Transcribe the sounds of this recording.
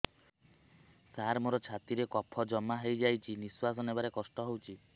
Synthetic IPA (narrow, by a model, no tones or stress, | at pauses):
saɾmoɾɔt͡ʃʰat̪iɾekɔpʰɔd͡ʒɔmːaɦejd͡ʒajt͡ʃʰiniswasɔnebaɾekɔsʈɔɦowt͡ʃʰi